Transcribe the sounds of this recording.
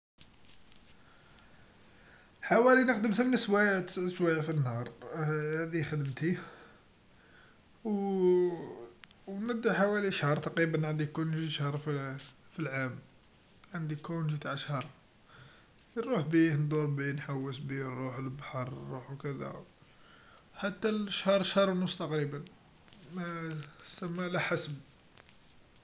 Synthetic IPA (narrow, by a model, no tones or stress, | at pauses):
ħawælinəqd̪əmθəmnəswæʃwæjæfinhɑɾˤhæd̪ixəd̪əmt̪i | w | nəd̪ːaħawæliʃhɑɾˤt̪ɑqɾibənʕənd̪ikunʒiʃhɑɾˤfifilʕam | ʕənd̪ikunʒit̪aʕʃhɑɾˤ | ɾˤuħbihnd̪uɾˤbinħawːəsbinɾuħlbaħɑɾˤnːuħwkəd̪æ̰ | ħat̪ːæləʃhɑɾˤʃhɑɾˤwnʊst̪ɑqɾibən | mæsæmːælæħasb